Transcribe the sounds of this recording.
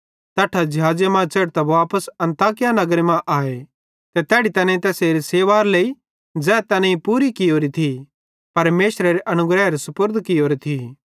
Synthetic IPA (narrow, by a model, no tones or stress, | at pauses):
t̪ɐʈʰːad͡ʒɐɦaːd͡ʒjamãt͡seːɽt̪ɐbaːpəsɐ̃nt̪aːk̬ɪjanɐɡɾemãʔaːe | t̪ɛt̪ɛːɽit̪ɐnẽĩt̪ɛːseɾiseːʋaːɾlei | d͡zɛːt̪ɐnẽĩpuːɾikioːɾit̪ʰi | pɐɾmeːʃɾɐɾeʔɐnʊɡɾɛːɾesʊpəɾd̪ʱkioːɾet̪ʰi